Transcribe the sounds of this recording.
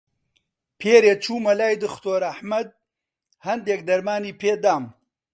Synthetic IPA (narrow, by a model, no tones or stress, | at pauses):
pʰeːɾeːt͡ʃʰuːmɐlaːjd̪ɨxt̪oːɾɐħmɐd̪̚ | hɐnd̪eːk̚d̪ɐɾmaːniːpʰeːd̪aːm